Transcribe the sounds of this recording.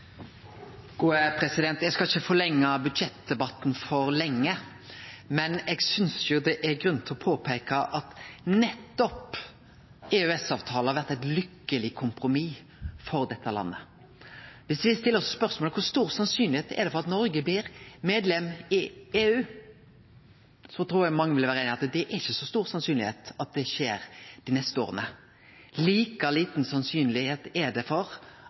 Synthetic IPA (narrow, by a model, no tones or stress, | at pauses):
ɡ̥uːəpʰɾɛsɪd̪ɛnt̪jɛɡskɑlɪçːəfɔlɛŋːɑbʉd̪ʃɛt̪̚d̪ɛbɑt̪n̩fɔɾlɛŋːə | mɛnɛɡsʏnsjʊd̪ɛʔæɾɡɾʉnt̪ʰɪɔpʰoːpʰeːkɑʔɑt̪nɛt̪ːɔp | eːʉɛsɑːʋt̪ʰɑːləhɑɾʋæɾt̪æɪt̪lʏkːəlɪkʰʊmpɾʊmiː | fɔɾd̪ɛt̪ʰːəlɑ̰nːə̰ | ʋɪsʋɪst̪ɪlːəɾɔsspœɾsmoːləkʰʊɾst̪uːɾsɑnsyːnlɪheːt̪ɛ̰d̪ɛfɔʁɑt̪nɔɾɡəblɪɾmeːd̪lɛmɪeːʉː | sɔt̪ʰɾuːɾjæɡmɑŋːəʋɪləʋæːɾəeɪnɪɑt̪d̪ɛʔæɾɪçəsɔst̪uːɾsɑnsyːnlɪheːt̪ɑt̪̚d̪ɛʃeːɾd̪̥ɪnɛst̪əo̰ːʁə̰nə | liːkəliːt̪n̩sɑnsyːnlɪheːt̪ɛɖɛfɔɾ